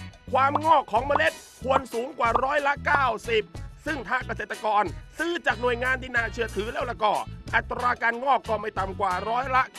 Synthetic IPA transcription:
kʰwaː˧mŋɔː˥˩kʰːɔː˩˦ŋmaː˧le˦˥t̪̚ | kʰu˧ənsuː˨˦ŋkwaː˨˩ɾɔː˦˥jla˦˥ʔkaː˥˩wsi˨˩p̚sɯ˥˩ŋt̪ʰaː˧˥˩ka˧seː˨˩t̪ːa˧kɔː˧nsɯː˧˥˩t͡ɕaː˨˩k̚nu˨˩əjŋaː˧ndiː˧naː˧˩t͡ɕʰɯ˧˩ət̪ʰɯː˨˩˦lɛː˧˥˩wla˧˩kɔː˧˩ʔa˨˩t̪ːɾaː˧ka˧nŋɔː˥˩kːɔː˥˩ma˥˩jt̪a˧˨mkwaː˨˩ɾɔː˦˥jla˦˥ʔ

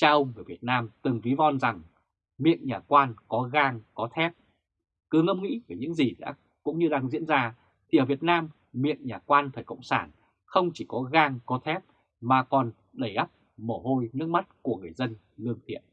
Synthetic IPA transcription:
t͡ɕaː˧ʔə˧wŋ͡mŋɨ˨˩vi˨˩ət̚naː˧mt̪ɨ˨˩ŋvi˨˦vɔ˧˩nza˨˩ŋ | mḭ˧˨ənɲaː˨˩kwaː˧nkɔ˨˦ɣaː˧ŋkɔ˨˦t̪ʰɛ˦˥p̚ | kɨ˨˩ŋə˧wŋ͡mŋḭ˧˥veː˨˩ɲɨ̰˧˥ŋzi˨˩ɗa̰ː˧˥ | kʊ̰˧˥ŋ͡mɲɨ˧ɗaː˧ŋzḭ˧˥ənzaː˧ | t̪ʰi˨˩ʔəː˧˩vi˨˩ət̚naː˧m | mḭ˧˨ənɲaː˨˩kwaː˧nfʰəː˨˩jkə̰˧˨wŋ͡msaː˧˩n | xə˧wŋ͡mt͡ɕi˧˩kɔ˨˦ɣaː˧ŋkɔ˨˦t̪ʰɛ˦˥p̚ | maː˨˩kɔ˨˩n | ɗə˧˩jʔa˦˥p̚ | mə˧˩ɦo˧jnɨ˦˥ək̚ma˦˥t̚ku˧˩əŋɨ˨˩əjzə˧n | lɨ˧əŋt̪ʰḭ˧˨ən

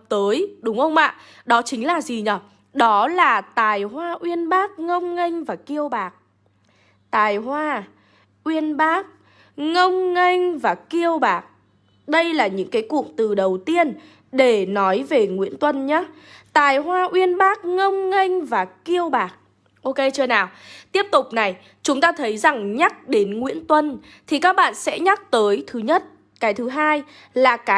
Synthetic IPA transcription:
p̚t̪əː˨˦jɗʊ˨˦wŋ͡mxə˧wŋ͡mʔa̰ː˧˨ | ɗɔ˨˦t͡ɕï˨˦ŋ̟laː˨˩zi˨˩ɲə˨˧˩ | ɗɔ˨˦laː˨˩t̪aː˨˩jɦwaː˧ʔwi˧ənɓaː˦˥k̚ŋə˧wŋ͡mŋa˧jŋ̟vaː˨˩ki˧əwɓaː˨˩k̚ | t̪aː˨˩jɦwaː˧ | ʔwi˧ənɓaː˦˥k̚ | ŋə˧wŋ͡mŋa˧jŋvaː˨˩ki˧əwɓaː˨˩k̚ | ɗə˧jlaː˨˩ɲɨ̰˧˥ŋkaː˨˦jkṵ˧˨k̚t̪ɨ˨˩ɗə˨˩wt̪i˧ən | ɗe˧˩nɔ˨˦jve˨˩ŋwḭ˧˥ənt̪wə˧nɲaː˨˦t̪a̰ː˧˨jɦwaː˧ʔwi˧ənɓaː˦˥k̚ŋə˧wŋ͡mŋa˧jŋ̟vaː˨˩ki˧əwɓaː˨˩k̚ | ʔo˧ke˧t͡ɕɨː˧naː˨˩wt̪i˦˥əp̚t̪ʊ˨˩k͡p̚na˨˩j | t͡ɕʊ˨˦ŋ͡mt̪aː˧t̪ʰə˨˦jza˨˩ŋɲa˦˥k̚ɗe˨˦nŋwḭ˧˥ənt̪wə˧n | t̪ʰi˨˩kaː˦˥k̚ɓa̰ː˧˨nsɛ̰˧˥ɲa˦˥k̚t̪əː˨˦jt̪ʰɨ˨˦ɲə˦˥t̚ | kaː˨˦jt̪ʰɨ˨˦ɦaː˧j | laː˨˩kaː˨˦

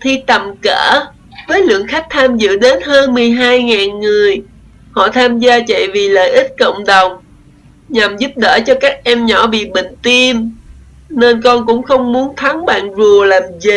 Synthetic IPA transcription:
t̪ʰi˧t̪ə˨˩mkəː˧˩ | vəː˨˦jlɨ̰˧˨əŋxa˦˥k̚t̪ʰaː˧mzɨ̰˧˨ɗe˨˦nhəː˧nmɨ˨˩əjɦaː˧jŋaː˨˩nŋɨ˨˩əj | hɔ̰˧˨t̪ʰaː˧mzaː˧t͡ɕə̰˧˨jvi˨˩lə̰ː˧˨jʔi˦˥t̟̚kə̰˧˨wŋ͡mɗə˨˩wŋ͡m | ɲa˨˩mzu˦˥p̚ɗəː˧˩t͡ɕɔ˧kaː˦˥k̚ʔɛ˧mɲɔ˧˩ɓḭ˧˨ɓï˧˨ŋ̟t̪i˧m | ne˧nkɔ˧nkʊ̰˧˥ŋ͡mxə˧wŋ͡mmu˨˦ənt̪ʰa˨˦ŋɓa̰ː˧˨nzu˨˩əlaː˨˩mzi˧˩

